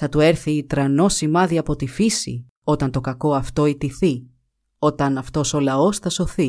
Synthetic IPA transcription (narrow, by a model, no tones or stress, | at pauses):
θɐt̪ue̞ɾθiːt̪ɾɐno̞simɐðiɐpo̞t̪ifisḭ | o̞t̪ɐnt̪o̞kɐko̞ɐft̪o̞it̪iθi | o̞t̪ɐnɐft̪o̞so̞lɐo̞sθɐso̞θi